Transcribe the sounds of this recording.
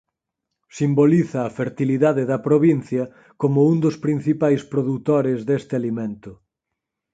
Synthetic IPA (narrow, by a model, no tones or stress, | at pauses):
simboliθɐːfeɾt̪iliðaðeðɐpɾoβin̟θjɐ | komʊund̪ʊspɾin̟θipajspɾoðut̪oɾɪzðest̪ɪalimẽnt̪ʊ